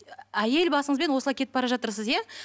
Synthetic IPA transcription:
æje̞lbɑsəɴəzbe̞nwo̞səlˠɑjkʰʲe̞t̪ɪpbɑɾɑʒɑt̪əɾsəzja

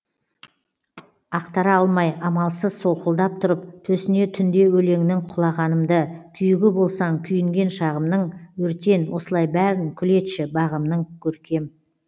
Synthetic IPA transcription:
ɑqt̪ɑɾɑɑlˠmɑjɑmɑlˠsəz̥so̞lˠqəlˠd̪ɑp̚t̪ʰʊɾəp̚t̪ʰɵsɪne̞t̪ʰʏnd̪e̞wɵle̞ŋnɪŋqʰʊlˠɑʁɑnəmd̪əkʲʰʏjɪɡʲɪbo̞lˠsɑŋkʲʰʏjɪŋɡʲe̞nʃɑʁəmnəɴwɵɾt̪e̞nwo̞səlˠɑjbæɾɪŋkʲʰʏle̞t̪ʃɪbɑʁəmnəɴkʲʰɵɾkʲe̞m

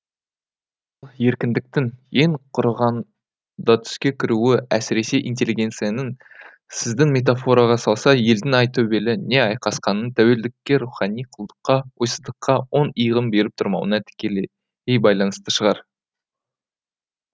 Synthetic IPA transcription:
olˠje̞ɾkʲɪnd̪ɪk̚t̪ɪŋje̞ɴqʰʊɾʁɑn | d̪ɑt̪ʰʏ̥skʲe̞kʲʰɪɾuɪæsɪɾe̞se̞ʔint̪̬ʲe̞liɡʲe̞nt̪sijanən | sɪzd̪ɪŋmʲe̞t̪̬afo̞ɾɑʁɑsɑlˠsɑje̞ld̪ɪŋɑjt̪ʰɵbe̞lɪne̞ɑjqɑsqɑnənt̪ʰæwe̞ld̪ɪkʲːe̞ɾuχɑnijqʰəlˠd̪ə̥qːɑwo̞jsəzd̪əqːɑwo̞nəjʁəmbe̞ɾɪp̚t̪ʰʊɾmɑ̰wə̰nɑt̪ʰɪ̥kʲe̞le | ejbɑjlˠɑnəst̪əʃəʁɑɾ

